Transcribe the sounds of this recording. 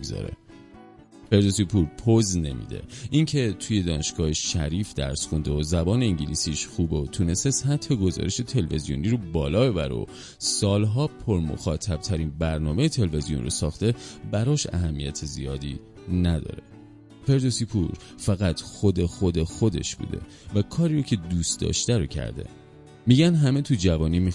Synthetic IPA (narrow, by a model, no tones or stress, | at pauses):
ɡzɒ̰ɾḛ | fe̞ɾd̪osipʰuɾpʰozne̞̰mḭːd̪e̞̰ʔiŋcʰe̞t̪ʰuːje̞d̪ɒːne̞ʃɡ̥ɒːheʃʃæɾiːfd̪æ̰ɾsxund̪eozæbɒːneiŋɟilisiːʃxuːbot̪ʰune̞st̪esæt̪ʰːeɡo̞zɒ̰ːɾe̞ʃe̞t̪ʰe̞lve̞zijoniɾobɒːlɒːbe̞bæɾḛo̰ | sɒːlɦɒːpʰoɾmo̰xɒːt̪ʰæb̥t̪ʰæɾinbæɾnɒːme̞jet̪ʰe̞lve̞zijo̞̰nro̰sɒːxt̪e̞bæɾɒːʃæ̰hæmːijæt̪ʰezḭjɒːd̪i | næd̪ɒ̰ːɾe | fe̞ɾd̪o̞sipʰṵɾ | fæɣæt̪xo̞d̪e̞xod̪e̞xo̞d̪e̞̰ʃb̥ṵːd̪e̞̰ | vækʰɒːɾiːɾocʰe̞d̪uːst̪d̪ɒ̰ːʃt̪æɾocʰæ̰ɾd̪e̞̰ | miɟænɦæme̞t̪ʰud͡ʒævɒːnimi